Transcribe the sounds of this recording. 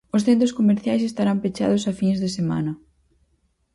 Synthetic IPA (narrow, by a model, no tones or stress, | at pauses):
ʊsθent̪ɾʊskomeɾθjajsest̪aɾampet͡ʃa̰ðʊsafiŋzðesema̰nɐ